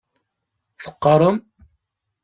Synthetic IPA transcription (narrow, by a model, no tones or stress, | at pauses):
θə̥qːɑɾˤəm